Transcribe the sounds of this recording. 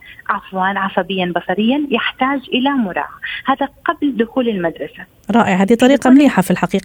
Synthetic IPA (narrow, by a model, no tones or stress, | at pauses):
ʕɑfwɑːnʕɑsˤɑbɪjːanbɑsˤɑɾɪjːajɪħt̪aːd͡ʒʔɪlamʊɾˤɑ̰ːʕahaːðaqabld̪ʊxuːlɪlmad̪ɾˤɑsa | ɾˤɑːʔɪʕhad̪it̪ˤɑɾiːqɑmliːħafilħaqiːqɑ